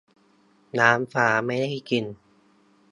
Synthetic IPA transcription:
naː˦˥mfaː˩˦ma˥˩jda˥˩jki˧n

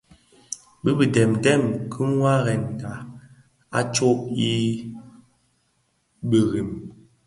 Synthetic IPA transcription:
bə˦bi˨dɛ˨mdɛ˦˨mkʰə˦m˦wa˦ɣɛ˨nɡa˨ | a˦t͡ʃo˦p̚i˦ | bə˨ɣi˨m

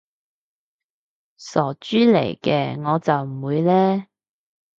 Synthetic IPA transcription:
sɔː˨˩t͡ʃyː˥lḛ˨˩jkɛː˧ŋɔː˨˧t͡sɐ˨wm̩˨˩wuː˨˧jlɛː˥

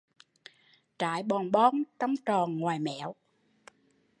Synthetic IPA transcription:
t͡ɕa̰ː˧˥jɓɔ˨˩nɓɔ˧˦nt͡ɕɔ˧˦wŋ͡mt͡ɕɔ˨˩nŋwaː˨˩jmɛ̰˧˨˥əw

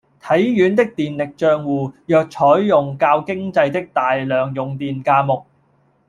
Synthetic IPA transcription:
t̪ʰɐ˨˥jjyː˨˥nt̪ɪ˥k̚t̪iː˨nlɪ˨k̚t͡ʃœː˧ŋwuː˨˧jœː˨k̚t͡ʃʰɔː˨˥jːʊ˨ŋkaː˧wkɪ˥ŋt͡sɐ˧jt̪ɪ˥k̚t̪aː˨jlœː˨ŋjʊ˨ŋt̪iː˨nkaː˧mʊ˨k̚

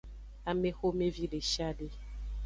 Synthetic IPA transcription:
a˨me˦xo˦me˦vi˦ɖe˨ʃa˦ɖe˦

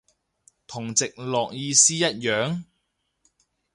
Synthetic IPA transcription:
t̪ʰʊ˨˩ŋt͡sɪ˨k̚lɔː˨k̚jiː˧siː˥jɐ˥t̚jœː˨˥ŋ

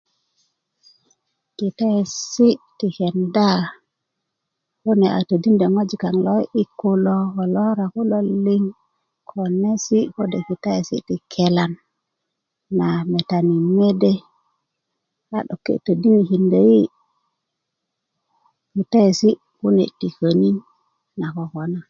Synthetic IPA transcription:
ki˨ta˦e˨si˦ti˨ke˨nda˦ | wu˦ni˨a̰˨tə˨di˦nde˨ŋo˦d͡ʒi˨ka˨ŋlo˦i˦kːu˦lo˦ho˨lo˦ɾa˨ku˦lo˦lːi˦ŋ | kʰo˨ne˦si˦ho˦de˨ki˨ta˦jesḭ˦ti˨kʰe˦la˨n | a˨me˨ta˨ni˨me˦de˦ | a̰˨ɗo̰˨kːḛ˨tə˨di˦ni˨ki˨nde˨ji˦ | ki˨ta˦je˨si˦ | ku˦nḛ˨ti˨kə˨ni˦ | na˨ko˨ko˨na˨

